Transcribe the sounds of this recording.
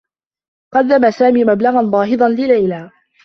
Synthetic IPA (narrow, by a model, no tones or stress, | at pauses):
qɑd̪ːamasaːmiːmablɑɣanb̪ˤɑːɦɨd̪ˤɑnlɪlajlaː